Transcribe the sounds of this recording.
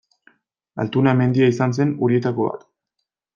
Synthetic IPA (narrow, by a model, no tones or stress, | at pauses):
a̰lt̪unaeme̞nd̪iaisans̬e̞nuɾie̞t̪ako̞βa̰t̪